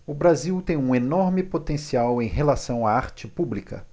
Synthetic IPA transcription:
ʊbɾaziwt̪ẽj̃ũenɔɾmɪpot̪ẽsiawẽj̃ɦelasɐ̃w̃aaɾt͡ʃɪpublikɐ̰

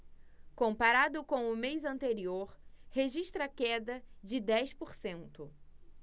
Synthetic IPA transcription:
kõpaɾad̪ʊkõw̃ʊmejzɐ̃nt̪eɾioɾheʒiʃt̪ɾɐkɛd̪ɐd͡ʒɪd̪ɛjspoɾsẽnt̪ʊ

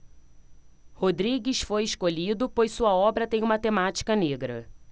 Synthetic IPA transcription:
hod̪ɾiɡisfojɪskoʎid̪ʊpojsuɐɔbɾɐt̪ẽj̃ũmɐt̪emat͡ʃi̥kɐneɡɾɐ̰

